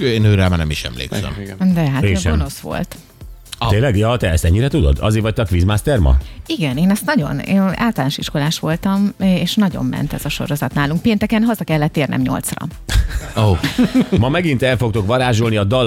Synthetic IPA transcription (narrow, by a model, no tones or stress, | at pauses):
eːnøːɾɛlmaːnɛ̰miʃɛ̰mlḛːksɛ̰md̪ɛɦat̪eʃɛomnosʋo̞̰lt̪ | eːnlɛɡjɒːt̪ɛɛst̪ɛɲːiɾɛt̪ud̪o̞̰d̪ɒ̰zeːɾvɒc̚t̪ɛɒkʋizmaːst̪ɛrmɒ̰iɡɛneːnɛst̪nɒɟo̞̰neːa̰ːlt̪ɒlaːnoʃiʃko̞laːʃʋo̞lt̪ɒmeːʃnɒɟo̞̰mːɛ̰nt̪ɛz̥ɒʃo̞̰ɾo̞zɒt̪naːluŋk̚peːnt̪ɛkɛnɦɒzɒkɛlːɛt̪ːeːrnɛ̰mɲo̞̰lt̪srɒ̰ | o | mɒmɛɡint̪ɛlfo̞k̚t̪o̞kʋɒɾaːʒolniɒd̪ɒl